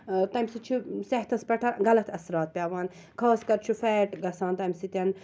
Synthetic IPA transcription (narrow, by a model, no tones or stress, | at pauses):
t̪ɐmʲsit͡ʃʰiseht̪ʰɐspɐʈʰɐɡɐlɐt̪ʰɐsɾɑːt̪̚pʲaːʋaːn | kʰaːskɐɾt͡ʃʰufɛːʈɡɐsaːnt̪ɐmsit̪ʲɐn